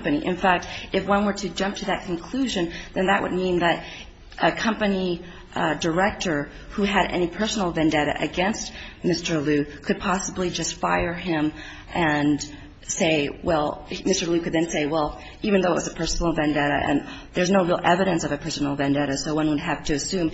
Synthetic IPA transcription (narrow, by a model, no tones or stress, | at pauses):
pɨniʔɨ̰̃nfæk̚tɨfwʌ̃nwə˞ɾɨd͡ʒʌ̃mp̚tʰɨðɨt̚kʰɨ̃n̩kʰl̥ʉʒɨ̃nðɨ̃nðɨʔwʔə̰d̚mĩnðɨɾ | ʔɨkʰʌ̃mpɨni | də˞ɛk̚tə˞ | huɨɾɛ̰nipʰɜ˞sn̩l̩ˠvɨ̃ndɛɾɨ̰ʔɨɡɛ̃nst̚mɪstə˞lʉkʰɨd̚pʰɑsəblid͡ʒʌstfaɪə˞ɪ̃m | ʔɨ̃n | seɪwɛlˠmɪstə˞lʉkɨd̪̚ðɨ̃nseɪwɛlˠ | ivɨ̃nðoʊəʔ̚wʌzɨpʰɜ˞sn̩l̩ˠvæ̃ndɛɾɨ̰ʔɨ̰̃nðə˞znoʊɹilˠʔɛvɨɾɨ̃nsʌvɨpʰɜ˞sn̩l̩ˠvæ̃ndɛɾɨsoʊwʌ̃nwəd̚ɦæftʰɨːsʉ̃m